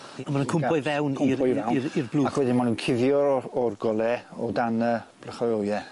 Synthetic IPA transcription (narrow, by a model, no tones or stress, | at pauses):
amanunkʰʊmʰɔjvɛwnʊpɔvɛwirblˠuːawɛdɪmanunkʰɪvjɔɔrɡɔlˠɛɔdanəb̥ləχɔjowjɛ